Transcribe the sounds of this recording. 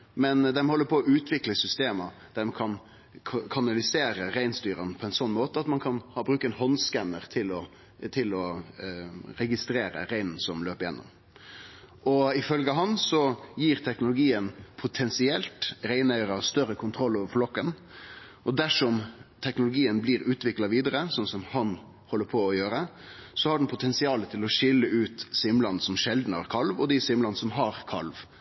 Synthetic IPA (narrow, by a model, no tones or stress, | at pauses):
mɛnd̪ɛmhɔlːəɾpʰɔːʉːt̪ʰʋɪkləsʏst̪eːməd̪̥æmkʰɑnʰ | kʰɑnɑlɪseːɾəɾæɪnst̪yːɾənpʰɔɛnsɔnːmoːt̪əɑt̪mɑnkʰɑnhɑːbɾʉːkəɛnɦɔnskænːəʁt̪ʰɪlɔ | t̪ʰɪlɔ | ɾɛɡɪst̪ɾeːɾə̰ɾæɪnn̩sɔmløːpəɾjɛnːʊ̰m | ʔɔɪfœlɡəɑɦɑnsɔjiːɾt̪ʰɛknʊlʊɡiːənpʰʊt̪ʰɛnsɪɛlt̪ɾæɪnœʏɾɑst̪œɾəkʰʊnt̪ʰɾɔlːoːʋəɾflɔkːən | ʔɔd̪æʂɔmt̪ʰɛknʊlʊɡiːənblɪɾʉːt̪ʋɪklɑʋiːd̪əɾəsɔnsɔmhɑn | hɔlːəɾpʰɔːjøːɾəsɔhɑɖɛn̩pʰʊt̪ʰɛnsɪɑːlət̪ʰɪlɔʂɪlːəʔʉːt̪sɪmlɑnsɔmʃɛld̪n̩əæ̰ɾkʰɑlʋɔd̪ɪsɪmlɑnəsɔmɦɑɾkʰɑlʋ